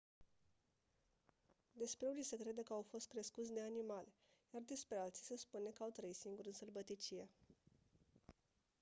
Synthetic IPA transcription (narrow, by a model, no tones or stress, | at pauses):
d̪e̞spɾe̞unise̞kɾe̞d̪əkəawfo̞st̪̚kɾeskut̪sʲd̪e̞animal | jard̪e̞spɾe̞alt̪si̥se̞spune̞kəawt̪ɾəisiŋɡuɾɨnsərbət̪it͡ʃije